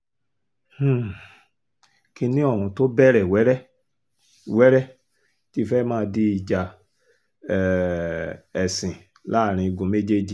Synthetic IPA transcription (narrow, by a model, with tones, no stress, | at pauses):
h̩˦˨ | ki˧nĩ˦ɔ˦˨ɾ̃ũ˧to˦bɛ˦ɾɛ˨wɛ˨˦ɾɛ˦ | wɛ˦ɾɛ˦ | ti˦fɛ˦mãː˦˧di˦i˨d͡ʒa˧˨ | ɛ˨sĩ˨ | la˦˨ɾ̃ĩ˧i˧ɡũ˧me˦d͡ʒe˦d͡ʒi˨